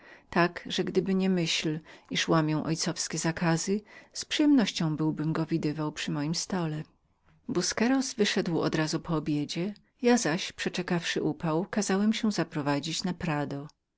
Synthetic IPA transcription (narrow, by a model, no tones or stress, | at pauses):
t̪akʐɛɡd̪ɘbɘɲɛmɘɕliʂwamʲjɛw̃ʔɔjt̪sɔfskʲɛzakʰazɘspʂɘjɛmnɔɕt͡ɕɔ̃w̃bɘwbɘmɡɔvʲid̪ɘvawpʂɘmɔjimst̪ɔlɛ | buskɛɾɔzvɘʂɛd̪wɔ̰d̪ɾazupɔːbʲjed͡ʑɛ | jazaɕpʂɛt͡ʂɛkafʂɘʔupawkazawɛmɕɛ̃zapɾɔvad͡ʑit͡ɕnapɾad̪ɔ